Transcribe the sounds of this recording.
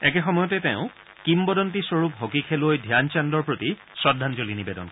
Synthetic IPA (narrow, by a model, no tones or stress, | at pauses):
ɛkɛxɔmɔjɔtɛtɛʊ̃ | kimbɔdɔntisoɹupɦokikʰelojdʱjant͡ʃandɔɹpɹoti | sɹɔdʱanzolinibedɔ̰nkɔ